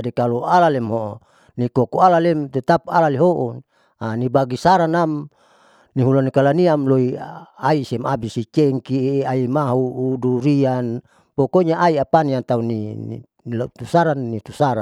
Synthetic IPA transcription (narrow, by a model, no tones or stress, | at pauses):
adikalualalɛmɦo | nikokoalalɛmt̪et̪ap̚alaleɦoʔo | anibaɡisaɾanam | niɦulanikalaniamloiaisɛmabisit͡ʃeŋkiaimaɦuːduɾian | pokoɲaʔaiapaniant̪aunḭ | lot̪usaɾanːit̪usaɾa